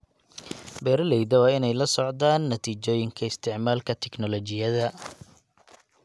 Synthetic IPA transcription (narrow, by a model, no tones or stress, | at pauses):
bɛːɾɐlɛjd̪ɐwɑːɪnɛjlɐsɔʕd̪aːnːɐt̪ʰiːt͡ʃɔːjɪŋkʰɐɪst̪ʰɪʕmaːlkʰɐt̪ʰɛknɔlɔt͡ʃɪjɐðɐ